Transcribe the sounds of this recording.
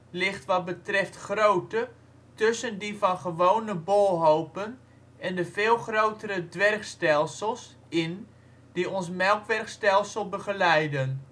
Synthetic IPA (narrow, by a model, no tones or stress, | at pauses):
lɪχtʋɑt̚bətrɛftχrowtə | tɵsəndivɑnχəʋownəbolˠɦowpən | ɛndəvɪːlˠχrowtəɾədʋɛrkstɛlˠsəlˠs | ɪn | d̥iɔnsmɛlˠkʋɛrkstɛlˠsəlˠbəχəlɛjdən